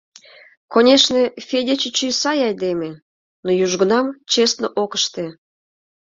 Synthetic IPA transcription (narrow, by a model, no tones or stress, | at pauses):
konʲeʃnefʲedʲet͡ɕet͡ɕujsɑjɑjd̪eme | nojuʒɡə̆nɑmt͡ɕesnoʔokəʃt̪e